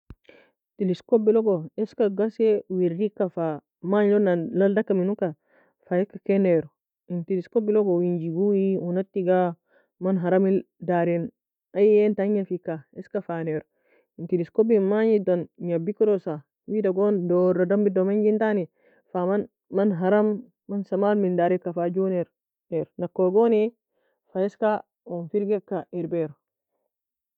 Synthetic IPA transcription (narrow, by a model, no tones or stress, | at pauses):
tiliskobiloɡoeskaɡasewiɾikːafa | maɲdonalaldakːaminuka | fajekːakeneɾo | intiliskobiloɡowiɲd͡ʒiɡuwiunatːiɡa | manɦaɾami | daɾin | ajentaɲafikːaeskafaneɾo | intiliskobimaɲidɔnɲabikɾɔsa | widaɡɔndɔɾadambidɔmaɲɡintani | faman | manɦaɾamː | ansamalmindaɾɛkafad͡ʒunɛɾ | nɛɾnakːɔɡɔnɛ | faɛska | ɔnfiɾɡɛkːaiɾbɛɾɔ